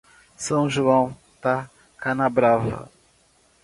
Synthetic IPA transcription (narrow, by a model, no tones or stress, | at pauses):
sɐ̃w̃ʒuɐ̃w̃ | t̪a | kanabɾavɐ̰